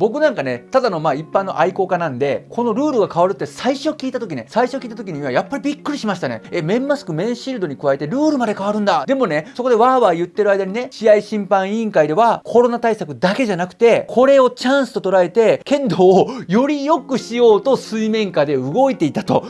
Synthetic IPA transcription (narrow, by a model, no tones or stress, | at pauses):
bo̞k̬ɯ̟nãŋkane̞t̪ad̪ano̞maːipːãnːo̞̰ʔaiko̞kanãnd̪e̞kʰo̞no̞ɾɯ̟ːɾɯ̟ɡakaβaɾɯ̟t̪ːe̞saiɕo̞kʲiːt̪at̪o̞kʲine̞saiɕo̞kʲiːt̪at̪o̞k̬ʲiɲ̟iiβajapːaɾʲibʲikːɯ̟ɾʲiɕimaɕi̥t̪ane̞̰emẽ̞mːasɨ̥kɯ̟mẽ̞ɰ̃ɕiɾɯd̪o̞ɲ̟ikɯβae̞t̪e̞ɾɯːɾɯ̟mad̪e̞kaβaɾɯ̟̃nd̪ad̪e̞mo̞ne̞so̞ko̞d̪e̞βaːβaːjɯ̟t̪ːe̞ɾɯ̟ajd̪aɲ̟ine̞ɕijaiɕĩmpãɰ̃ĩŋkaid̪e̞βakʰo̞ɾo̞nat̪aisakɯ̟d̪ake̞ʑanakɯ̟̥t̪e̞kʰo̞ɾe̞o̞t͡ɕãɰ̃sɨ̥t̪o̞t̪o̞ɾae̞t̪e̞kẽ̞nd̪o̞ːjo̞ɾʲijo̞kɯ̟ɕijo̞ːt̪o̞sɨimẽ̞ŋkad̪e̞ɯɡo̞it̪e̞it̪at̪o̞